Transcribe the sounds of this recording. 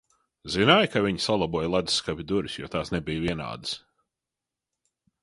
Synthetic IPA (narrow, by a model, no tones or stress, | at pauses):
zinajkaviɲsalˠabuɔjlˠad̪sːkavʲid̪uɾisjɔːt̪aːsnɛbijviɛna̰ːd̪ɨs